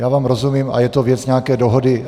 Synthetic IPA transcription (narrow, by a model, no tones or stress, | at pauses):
jaːvaːmɾozumiːma̰jɛt̪ovjɛt͡sɲɛakɛːdoɦodɪ